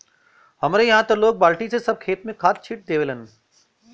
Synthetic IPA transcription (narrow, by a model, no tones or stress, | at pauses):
ɦɐmɾeɦãt̪ɐloːk̚baːlʈisesɐb̚kʰeːt̪̚mẽkʰaːt̪t͡ɕʰiːʈ̚d̪eːʋelənɪ̆